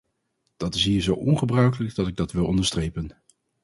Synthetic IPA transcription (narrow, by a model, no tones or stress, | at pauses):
d̥ɑtɪsɦiːɹzowʔɔnχəbrœɥkələɡdɑtɪɡ̚dɑtʋɪlˠɔndəɹstrejpən